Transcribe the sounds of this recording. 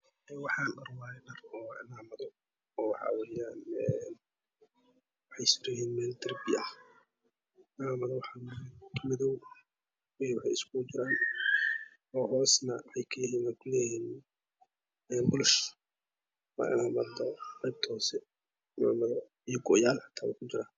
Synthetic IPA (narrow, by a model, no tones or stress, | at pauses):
ɛːnwɑħɑːɗɐrwaːjɛnɐrɔːɪ̰naːmɐðɔ | ɔːwɑħɑ̰wɛːjaːnɛn | wɑħɑjsɪɾɛhiːnmɛːld̪ɐrbɪɐh | naːmɐðɔwɑħɑɛjk̪ʰmɪðɔw | wɛjwɑħɑ̰jɪskʊt͡ʃɪɾaːn | ɔːɦɔːsnɐwɑħɑjkʰɐjɪɦiːnakʊlɛjiːn | ɛːnbʊlʊʃ | wa̰ːʔɪ̰naːmɐd̪ɔqɛjb̚t̪ʰɔːsɛ | na̰ːmɐðɔ | ijɔɡɔːjaːlħɑ̥t̪ʰaːwa̰kʰʊt͡ʃɪɾaːn